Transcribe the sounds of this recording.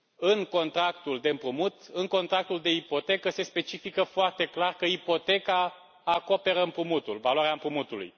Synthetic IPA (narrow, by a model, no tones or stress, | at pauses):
ɨŋko̞nt̪ɾakt̪uld̪e̞ɨmpɾumut̪ɨŋko̞nt̪ɾak̚t̪uld̪e̞ipo̞t̪e̞kəse̞spe̞t͡ʃifikəfoart̪e̞klarkəipo̞t̪e̞kaː | ko̞pe̞ɾəɨmpɾumut̪ulvalwaɾeaɨmpɾumut̪ulṵj